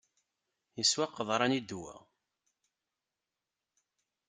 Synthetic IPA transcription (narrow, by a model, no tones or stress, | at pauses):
jəswaqːəðˤɾˤɑnid̪wæ̰